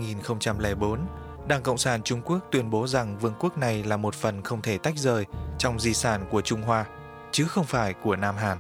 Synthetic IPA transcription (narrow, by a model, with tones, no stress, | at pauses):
ŋi˨˩nxə˧wŋ͡mt͡ɕa˧mlɛː˧˩ɓo˨˦n | ɗaː˧˩ŋkə̰˧˨wŋ͡msaː˧˩nt͡ɕʊ˧ŋ͡mku˦˥ək̚t̪wi˧ənɓo˨˦za˨˩ŋvɨ˧əŋku˦˥ək̚na˨˩jlaː˨˩mo˨˩t̚fə˨˩nxə˧wŋ͡mt̪ʰe˧˩t̪a˦˥jk̟̚zəː˨˩jt͡ɕɔ˧wŋ͡mzi˧saː˧˩nku˧˩ət͡ɕʊ˧ŋ͡mɦwaː˧ | t͡ɕɨ˨˦xə˧wŋ͡mfaː˧˩jku˧˩ənaː˧mɦaː˨˩n